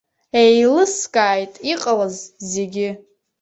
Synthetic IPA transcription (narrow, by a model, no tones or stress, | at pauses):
ejlɨskʼaːjtʼiqʼalazzeɡʲɪ